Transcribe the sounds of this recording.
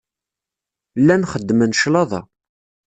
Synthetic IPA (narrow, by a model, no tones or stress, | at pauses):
lːænχəd̪ːmənʃlɑðˤɑ̰